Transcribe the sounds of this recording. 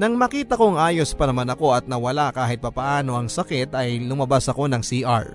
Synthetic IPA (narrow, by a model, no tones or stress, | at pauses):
nɐŋmɐkiːt̪ɐko̞ŋʔaːjo̞spɐnɐmanɐko̞ɐt̪̚nɐwɐlakaːɦɪt̪̚pɐpɐʔaːno̞ʔɐŋsɐkɛt̪ɐjlʊmɐbasɐko̞nɐŋsiʔa̰ɹ